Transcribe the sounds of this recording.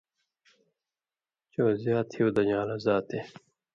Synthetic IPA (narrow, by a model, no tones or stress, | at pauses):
t͡ɕoːzjaːt̪ʰhiod̪ɐɲaːlɐzaːt̪e